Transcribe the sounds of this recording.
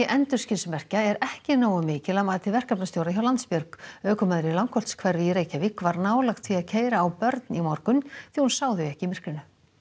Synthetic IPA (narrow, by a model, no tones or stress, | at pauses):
ʔɛnt̪ʏ̥scɪnsmɛr̥caɛɾɛhcɪnoːwamɪːcɪlamaːðt̪ʰɪlvɛr̥kapnast̪jowɾaçjawlant̪spjœɾkœːkʏmaðɾɪlawŋkʰɔlt̪skʰvɛɾvɪiɾeːjcavɪkvaɾnaːwlaxt̪ʰfiaðcʰeːjɾaːwpœɾt̪nimɔɾkʏnθihunsaːwðʏɛhcɪimɪr̥kɪnʏ